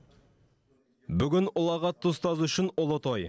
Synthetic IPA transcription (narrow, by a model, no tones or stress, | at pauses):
bʏɡʲɪnʊlˠɑʁɑt̪ʰʊst̪ɑzʏʃɪnʊlˠot̪oj